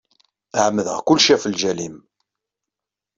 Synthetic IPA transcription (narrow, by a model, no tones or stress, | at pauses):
ʕmːəðə̰ʁkʊlʃæfəlʒælim